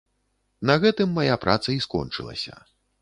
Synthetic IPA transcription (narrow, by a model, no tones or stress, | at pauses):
nɐɣɛt̪ɨmːajapɾʔat̪sɐiskɔ̰nt͡ʂɨ̰lˠɐ̰sʲɐ̰